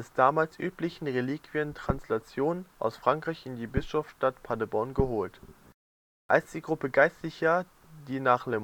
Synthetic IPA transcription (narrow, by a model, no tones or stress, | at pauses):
ɛsd̥aːmaːlsʔyːplɪçn̩ʁeliːkv̥iəntʁ̥anslat͡sjoːnənʔa̰ʊsfʁ̥aŋkʁ̥aɪçɪndiːbɪsʃɔfʃtatpʰadəbɔɐnɡəɦoːlt | ʔalsd̥iːɡʁʊpəɡaɪstlɪçɐ | d̥iːnaːχle